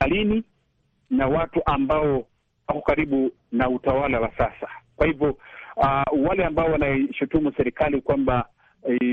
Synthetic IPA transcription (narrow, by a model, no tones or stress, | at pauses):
alini | nawatuʔambaɔ | wakɔkaɾiɓu | nautawalawasasḁkwahivjɔ | walɛambaɔwanaʃutumusɛɾikalikwamba